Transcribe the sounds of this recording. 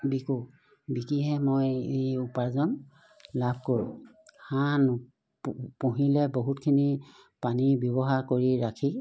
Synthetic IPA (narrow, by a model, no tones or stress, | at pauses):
biku | bikiɦɛmojejupazɔn | lab̚ʱkoɹu | han | pũɦilɛboɦutkʰini | panibjɔβɔɦakoɹiɹakʰi